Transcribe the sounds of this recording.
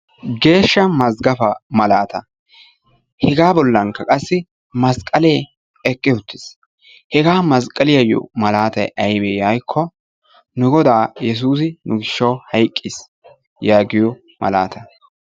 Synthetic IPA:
ɡe̞ːʃːɐmɐzɡɐfɐmɐlaːt̪ɐ | hɛɡaːbɔlːɐŋkːɐkʼɐsːɪ | mɐskʼːɐleː | ɛkʼːɪʊt̪ːɪs | hɛɡaːmɐskʼɐlɪjɐjɔ̰mɐlaːt̪ɐjʔɐjbɛːjajkʰːɔ | nʊɡɔd̪aːjɛs̬uːs̬ɪnʔʊɡɪʃːɐwhɐjkʼːɪs | jaːɡɪjɔ | mɐ̰la̰ːt̪ɐ

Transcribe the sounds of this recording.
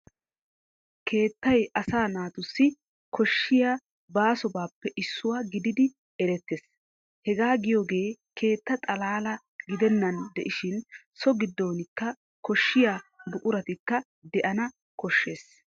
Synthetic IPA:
kʰe̞ːt̪ːɐjʔɐsaːnaːt̪ʊsːɪ | kɔʃːɪjaː | baːsɔbaːpːɛʔɪsːʊwaːɡɪd̪ɪd̪ɪ | ɛɾɛt̪ːeːs | hɛɡaːɡɪjoːɡe̞ːkʰe̞ːt̪ːɐt̪ʼɐlaːlɐ | ɡɪd̪ɛnːɐnd̪ɛʔɪʃɪnsɔɡɪd̪ːo̞ːnɪkːɐ | kɔʃːɪjaːbʊʔʼʊɾɐt̪ɪkːɐ | d̪ɛʔɐnɐ | kɔʃːe̞ːs

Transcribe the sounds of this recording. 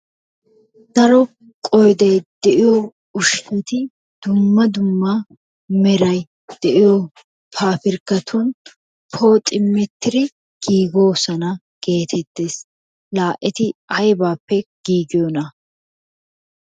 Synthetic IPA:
d̪̥ɐɾɔ | kʼɔjd̪ɐjd̪ɛʔɪjo | ʊʃkɛt̪ɪ | d̪̥ʊmːɐd̪ʊmːɐ | mɛɾɐj | d̪̥ɛʔɪjo | pʰaːpɪɾkːɐt̪ʰɔn | pʰoːt̪ʼɪmːɛt̪ːɪɾɪ | ɡ̥iːɡo̞ːsɐnɐ | ɡ̥e̞ːt̪ʰɛt̪ːeːs | laːʔʔɛt̪ɪɐjbaːpːɛɡ̥iːɡɪjɔnɐ

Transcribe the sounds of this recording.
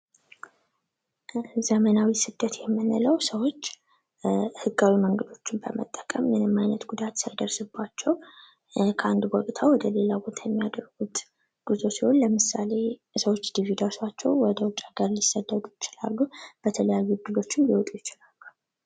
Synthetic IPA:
zəmənawisɨd̪ːət̪jɛmːɨnɨləwsəwo̞t͡ʃː | hɨɡːawiməŋɡəd̪o̞t͡ʃːɪnbəmə̰t̪ʼːəkʼəmjɛnɨmːajnət̪ɡud̪at̪sajd̪əɾsɨbːat͡ʃːɛw | kʰəand̪bɔkʼt̪ʰawɔd̪əle̞labo̞t̪ʰajɛmːijad̪əɾɡut̪ | ɡ̥uzosihonləmɨsale̞ | səwo̞t͡ʃːd̪ivid̪asat͡ʃːɛ̰wwɔd̪əwʊt͡ʃʼːaɡəɾlisəd̪ːəd̪ujɪt͡ʃɪla̰lːub̥ət̪ʰələjajːuɡ̪ɨlo̞t͡ʃːɪnjiwɔt̪ʼujɪt͡ʃɪlalːu̥

